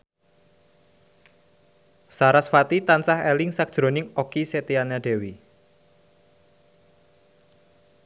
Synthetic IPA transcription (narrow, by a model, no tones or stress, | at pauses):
saɾasfat̪it̪ansahɛlɪŋsak̚d̥ʒ̥ɾonɪŋokiset̪ianaɖ̥e̤wi